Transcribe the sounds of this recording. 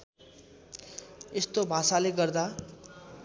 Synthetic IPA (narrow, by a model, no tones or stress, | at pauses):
est̪obʱasaleɡʌrd̪a